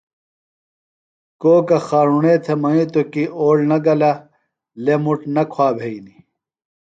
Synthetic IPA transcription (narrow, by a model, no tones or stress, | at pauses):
koːkɐxaːɾuɳet̪ʰemɐit̪okiʔoːɭnɐɡɐlɐ | lemuʈnɐkʰwaːbʱeini